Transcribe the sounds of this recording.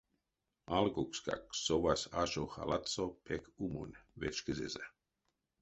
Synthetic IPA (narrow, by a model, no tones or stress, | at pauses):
alɡukska̰ksovasaʃoxa̰lat̪t͡sopʰɛkʰumṵnʲvet͡ʃkəzeza